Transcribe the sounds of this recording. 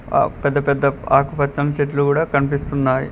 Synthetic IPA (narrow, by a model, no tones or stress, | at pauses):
pɛd̪ːɐpɛd̪ːɐa̰ːkɐpɐt̪ːɐnt͡ʃeʈ̬lukuːɽaːkɐnipist̪unːaːjḭ